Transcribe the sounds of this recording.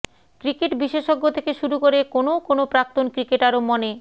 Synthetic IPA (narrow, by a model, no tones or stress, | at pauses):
kɾikeʈbiʃeʃoɡːot̪ʰekeʃuɾukoɾekonokonopɾak̚t̪onkɾikeʈaɾomːone